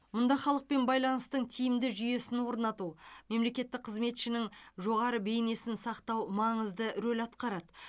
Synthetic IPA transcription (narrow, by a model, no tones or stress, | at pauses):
mʊnd̪ɑχɑlˠəq̚pe̞nbɑjlˠɑnəst̪əɴt̪ʰijɪmd̪ɪʒʏje̞sɪnwo̞ɾnɑt̪ume̞mle̞kʲe̞t̪ːɪk̚qʰəzme̞t̪ʃɪnɪŋʒo̞ʁɑɾəbe̞jne̞sɪnsɑqt̪ɑwmɑɴəzd̪əɾɵlʲɑt̪qɑɾɑd̪